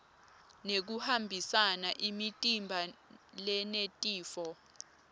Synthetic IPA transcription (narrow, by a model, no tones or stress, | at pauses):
nek̬uhambʱisanaʔimitʼimbʱalɛnetʼiːfɔ